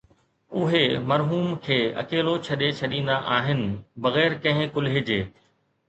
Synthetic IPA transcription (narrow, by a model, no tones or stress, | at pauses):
ʊɦemɐɾɦuːmkʰeːɐ̰keːlot͡ɕʰɐɗet͡ɕʰɐɗĩːn̆d̪aʔaːɦɪnɪ̆bɐɣɛːɾkɐ̃ɦɪ̃kʊlɦɪd͡ʑeː